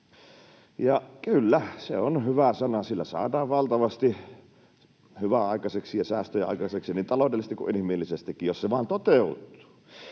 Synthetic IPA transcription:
jɑkylːæsḛonhyʋæsɑnɑsilːæsɑ̰ːdɑːʋʋɑlt̪ɑʋɑst̪i | hyʋæɑˑikɑseksijɑsæːst̪øjeʔɑ̰ˑikɑseksiniːnt̪ɑloˑdelːist̪ikṵʔinhimilːisest̪ikːijjosseʋɑˑːnt̪ot̪eut̪ːˑu̥ː

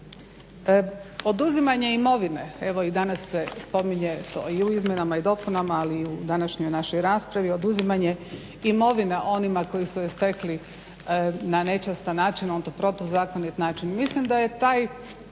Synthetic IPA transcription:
o̞d̪uzimaɲe̞imo̞ʋineeʋo̞id̪anasːespo̞miɲe̞t̪o̞̰ːiuizmʲjenamaid̪o̞ːpunamaːliːud̪anaʃɲojnaʃo̞jɾaːspɾaʋio̞d̪uzimaɲe | imo̞ʋineʔo̞nimako̞jisuest̪ekli | nane̞t͡ʃast̪anaːt͡ʃinont̪opɾo̞t̪ozaːkonit̪naːt͡ʃinmislimd̪aje̞t̪aːj

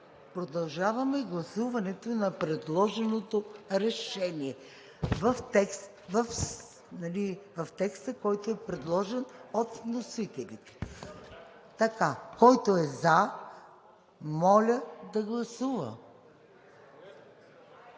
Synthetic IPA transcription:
pɾod̪ɐlˠʒavɐmɛɡlˠɐsuvɐnɛt̪onɐpɾɛd̪lˠɔʒɛnot̪oɾɛʃɛniɛ | vɐft̪ɛks | vɐf | nɐlivɐft̪ɛkst̪əkɔjt̪oɛpɾɛd̪lˠɔʒɛnot̪vnosit̪ɛlit̪ɛ̥ | t̪ɐkakɔjt̪oɛza | mɔlʲəd̪ɐɡlˠɐsuvɐ̰

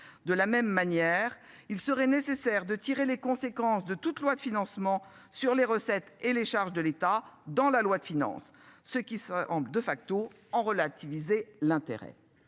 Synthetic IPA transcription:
d̪əlamɛmːanjɛʁ | ilsəʁɛnesesɛʁd̪ət̪iʁelekɔ̃sekɑ̃sd̪ət̪ut̪lwad̪əfinɑ̃smɑ̃ | syʁleʁəsɛt̪eleʃaʁʒd̪əlet̪ad̪ɑ̃lalwad̪əfinɑ̰̃sːəkʲisɑ̃bld̪əfak̚t̪o | ɑ̃ʁəlat̪ivizelɛ̃t̪ḛʁɛ̰

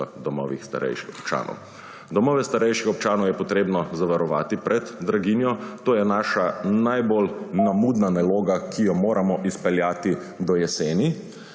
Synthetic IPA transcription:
d̪ɔmɔ̰ʋixst̪a̰ɾɛ̰jʃixɔ̥pt͡ʃa̰ːnʔɔ̰w | d̪ɔmɔːʋɛst̪aɾɛjʃixɔp̚t͡ʃaːnɔwjɛpɔt̪ɾeːbnɔzaʋaɾɔʋaːt̪ipɾʔɛd̪ːɾaɡinjɔt̪oːjɛnaːʃanajbolnamud̪nanaloːɡakijɔmoːɾʔamɔʔispɛljaːt̪i | d̪ɔjɛseːni

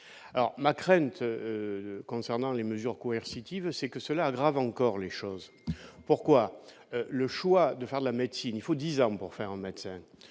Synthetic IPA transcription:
alɔ̰ʁmakχɛ̃nt̪økɔ̃sɛʁnɑ̃leməzyʁkɔɛʁsit̪ivsɛkəsəlaːɡʁavɑ̃kɔʁleʃɔz | puʁkwa | øləʃwad̪əfɛʁd̪əlamɛd̪sinilfod̪izɑ̃puʁfɛʁɛ̃mɛd̪sɛ̃

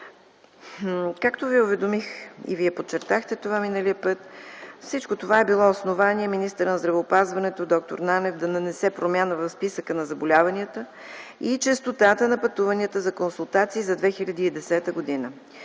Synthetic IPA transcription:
kakt̪oviʊvɛd̪omixḭviɛpot͡ʃːɛɾt̪axt̪ɛt̪ovaminəliəpət̪fsit͡ʃkot̪ovaɛbilˠɔosnovaniɛminist̪əɾənɐzd̪ɾɐvɛopazvɐnɛt̪od̪ɔk̚t̪o̰ɾnanɛvd̪ɐnɐnɛsɛpɾomʲjanəvɐfspisəkənɐzɐbolʲavəniət̪ə | it͡ʃəst̪ot̪at̪ənɐpɐt̪uvəniət̪əzɐkonsulˠt̪at̪siːzɐd̪vɛxilʲɐd̪iːd̪ɛsɛt̪əɡod̪inə

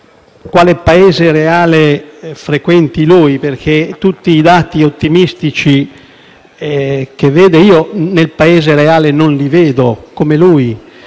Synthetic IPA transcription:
kwaːlepaeːzeɾeaːlefɾekwɛnt̪ilujperkʰet̪ut̪ːiːd̪aːt̪iot̪ːimist̪it͡ʃi | k̟evːeːd̪eiːonelpaeːzeɾeaːlenonliveːd̪okomeluːj

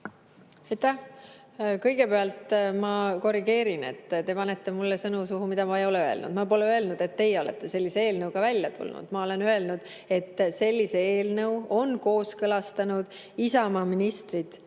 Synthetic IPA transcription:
ejt̪ːæh | kɤ̞jɡ̥e̞pe̞ɑlt̪mɑko̞rːiɡ̥e̞ːɾine̞̰t̪ːt̪e̞pɑnet̪ːe̞mulːesɤnusuɦumid̪̥ɑmɑejo̞leøe̞̰lnṵd̪̥mɑpo̞leø̞e̞lnud̪̥e̞t̪ːe̞jeo̞le̞̰t̪ːe̞se̞lʲːisee̞ːlnɤwɡ̥ɑvælʲjɑt̪ʰṵlnṵd̪̥mɑo̞le̞nø̞e̞lnud̪̥ | e̞t̪ːse̞lʲːiseeːlnɤwo̞nko̞ːskɤlɑst̪ɑnud̪̥ | isɑmɑminist̪rid̪̥

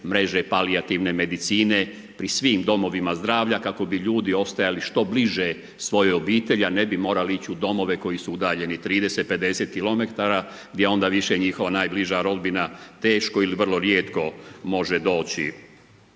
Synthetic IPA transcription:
mɾe̞ʒe̞paliat̪iʋne̞me̞d̪it̪siːne | pɾisʋiːmd̪o̞mo̞ʋimazd̪ɾaːʋʎakako̞biʎuːd̪io̞st̪ajaliʃt̪o̞bliʒe | sʋo̞jeo̞biːt̪e̞ʎane̞bimo̞ːɾaliit͡ɕiud̪o̞mo̞ʋe̞ko̞jisuud̪aːʎe̞nit̪ɾiːd̪e̞set̪̚pe̞d̪e̞se̞t̪̚kilˠo̞me̞t̪aɾa | ɡd̪ʲjeo̞nd̪aːʋiʃeɲixo̞ʋanaːjbliʒaɾo̞d̪binat̪e̞ːʃko̞iliʋr̩lˠo̞ɾjeːt̪ko̞mo̞ʒed̪o̞ːt͡ɕḭ

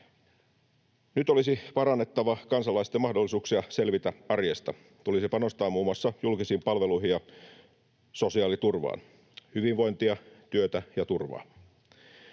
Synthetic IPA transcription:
nyt̪olisipɑɾɑnːet̪ːɑʋɑkɑnsɑlɑist̪emɑhdolːisuːksiɑse̞lʋit̪æɑrjest̪ɑ | t̪ulisipɑno̞st̪ɑːmuːmːuɑsːɑjulkisiːmpɑlʋeluiɦijɑ | so̞siɑːlit̪urʋɑ̰ːn | hyʋiʋʋo̞jnt̪iɑt̪yøt̪æjɑt̪urʋɑ̰ː

